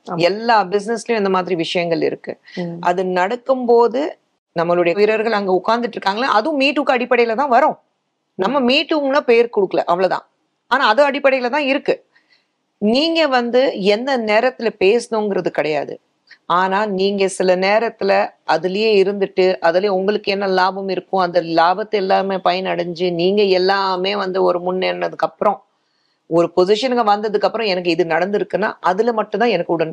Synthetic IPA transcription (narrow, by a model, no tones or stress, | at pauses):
ɛlːaːbɪs̬nɛsɪlɐjʊ̃ɛnd̪ɐmaːðɪɾiʋɪʂɐjɐŋɡɐɭɪ̰ɾɯkːɯ̰ʔɐðɯnɐɽɐkːɯmpoːðɯ | nɐmːɐɭɯɽɐjɐjɪɾɐɾɣɐɭɐŋɡeʊkːaːɾnd̪ɪʈːɪɾɯkːaːŋɡɐla̰ːɐðɯʊ̃miːʈːukːɯɐɽɪpːɐɽɐɪjɪlɐt̪ãːʋɐɾõː | nɐmːɐmiːʈːɯŋɡnaːpeːɾkʊɽɯkːɐɭɐ̰ʔɐʋɐɭɐt̪ã̰ː | aːnaːɐðɯɐɽɪpːɐɽɐɪjɣɐlt̪ãːɪɾɯkːɯ | niːŋɡɐʋɐnd̪ɯɛnd̪ɐneːɾɐt̪ːɪlɐpeːsɯnõːŋɡɪɾɐðɯkɐɽɐja̰ːðɯ̰ | aːnaːniːŋɡɐsɪlɐneːɾɐt̪ːɪlɐʔɐðɪlɐjeːɪɾɯnd̪ɯʈːɯʔɐðɐljʊŋɡɐɭɯkːɯɛnːɐlaːbɐmɪɾɯkːʊ̃ɐnd̪ɐlaːbɐt̪ːɛlːaːmeːpɐjɐnɐɽɐɲd͡ʒɯniːŋɡɐɛlːaːmeːʋɐnd̪ɯɔɾɯmʊnːɛnːɐðɯkːɐpːɯɾɔ̃ | ɔɾɯpɔsɪʂɐnɡɐʋɐnd̪ɐðɯkːɐpːɯɾɔ̃ɛnɐk̬ːɯɪðɯnɐɽɐnd̪ɪɾɯkːɯnːa̰ːʔɐðɯlɐmɐʈːɯ̃t̪ãːɛnɐkːɯʊɽɐn